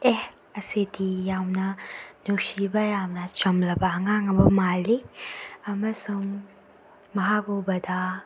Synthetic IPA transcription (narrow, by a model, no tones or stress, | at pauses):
eh | ɐsidijawnɐnuksibɐjawnɐt͡ʃɐmlɐbɐːŋaŋɐbɐmalːiɐmɐsuŋː | ɐɦakobɐdɐ